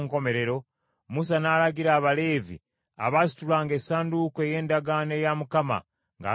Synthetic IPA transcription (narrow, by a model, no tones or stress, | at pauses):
ŋko̞me̞ɾe̞ɾo̞ | mus̬anaːlaɡiɾaːβale̞ːvḭ | a̰βasi̥tulaːŋɡesaːndukoe̞je̞ːndaɡanejamukama̰ | ŋɡa̰